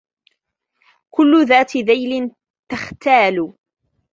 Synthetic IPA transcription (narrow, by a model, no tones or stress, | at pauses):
kʊlːʊðaːt̪ðajlɪn | t̪axt̪aːlʊ